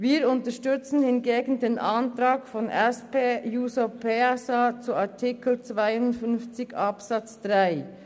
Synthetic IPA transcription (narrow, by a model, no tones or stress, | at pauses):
viːɾʊntəʃtʏt͡sn̩hɪnɡeːɡn̩deːnʔɑntʁaːkfɔnʔɛspeːjuːsopʰɛsat͡suɑɐtʰɪkl̩t͡svaɪʊntfʏnft͡sɪçɑpsɑt͡sd̥ʁaɪ